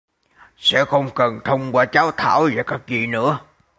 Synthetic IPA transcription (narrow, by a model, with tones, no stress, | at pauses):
sɛ̰˧˥xə˧wŋ͡mkə˨˩nt̪ʰə˧wŋ͡mkwaː˧t͡ɕaː˨˦wt̪ʰa̰ː˧˩wvaː˨˩kaː˦˥k̚zḭ˧˨˩nɨ̰˧˥ə